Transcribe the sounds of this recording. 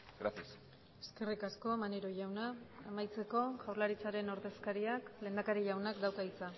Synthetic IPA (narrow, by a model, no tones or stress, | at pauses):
ɡɾat̪is | e̞̥ske̞rikasko̞maneɾo̞ʝawnaemajt͡se̞ko̞ʝawɾlaɾit͡saɾe̞no̞ɾðe̞skaɾiakle̞ːnd̪akaɾiʝawnakd̪awkait͡sa